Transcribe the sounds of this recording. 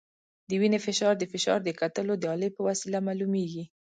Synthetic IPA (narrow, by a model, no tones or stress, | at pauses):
d̪əwinefɪʃɑɾd̪əfɪʃɑ̰ɾd̪əkat̪əlod̪əɑləpəwasilamalumeɡi